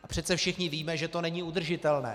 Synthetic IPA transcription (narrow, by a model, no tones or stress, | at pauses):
ʔapr̥ɛt̪t͡sɛfʃɪxɲɪviːmɛʒɛt̪o̞nɛɲiːud̪r̩ʒɪt̪ɛlnɛ̰ː